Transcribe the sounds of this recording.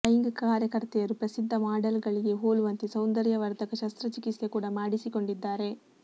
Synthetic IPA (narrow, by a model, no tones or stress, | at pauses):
ɐjŋɡkaːɾjɐkɐɾt̪ɛjɐɾupɾɐsid̪ʱːɐmaːɖɐlɡɐɭiɡe̞ɦoːluʋɐnt̪isɐwnd̪ɐɾjɐʋɐɾd̪ɐkɐʃɐst̪ɾɐt͡ʃikisekuːɽɐmaːɽisiko̞ɳɖid̪ːaːɾe̞